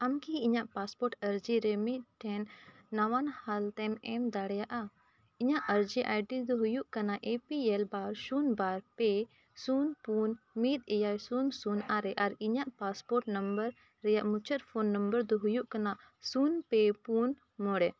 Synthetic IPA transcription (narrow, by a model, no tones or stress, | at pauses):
amkiːɲaʔpaspɔɾʈəɾd͡ʒiɾɛmit̪̚ʈʰːɛnː | awanhalt̪ɛmɛmd̪aɽɛjaʔa | iɲaʔəɾd͡ʒiʔajʈid̪ɔɦujuʔkanaʔepiɛlbaɾsunbaɾpɛ | sunpun | mit̪̚ɛjajsunsunaɾɛʔaɾiɲaʔpaspɔɾʈnɐmbəɾː | ɛjaʔmut͡ʃʰət̪pʰonːəmbəɾd̪ɔɦujuʔkanaʔ | sunpɛpun | mɔɽɛ